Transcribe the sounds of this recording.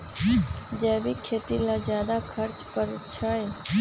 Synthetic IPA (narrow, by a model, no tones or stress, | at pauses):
d͡ʒɛːbikʰeːt̪ilad͡ʒjaːd̪akʰəɾt͡ʃpəɾt͡ʃʰəj